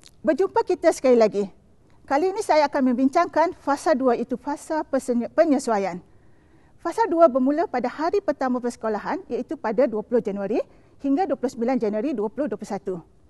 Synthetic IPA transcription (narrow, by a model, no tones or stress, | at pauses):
bərd͡ʒumpakit̪asə̥kalilaɡi | kaliːnĩsajaːkanmə̃mbiɲt͡ʃaŋkanfasalduait̪ufasalpəɲə̃suajan | fasalduabərmũlapadahaɾipərt̪amãpərsə̥kolaɦanjait̪upadaduapulʊhd͡ʒanũaɾi | hiŋɡaduapulʊhsəmbiland͡ʒanuaɾiduapulʊhduaəpulʊusat̪u